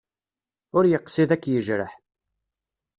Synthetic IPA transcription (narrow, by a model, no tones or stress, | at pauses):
ʊɾjəqsiðækːjəʒɾə̰ħ